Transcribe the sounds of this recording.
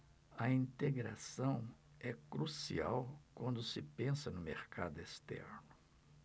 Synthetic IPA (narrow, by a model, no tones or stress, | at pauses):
ɐĩnt̪eɡɾasɐ̃w̃ | ɛkɾusḭa̰wkwɐ̃nd̪ʊsɪpẽsɐnʊmeɾka̰d̪ʊest̪ɛ̰ɾnʊ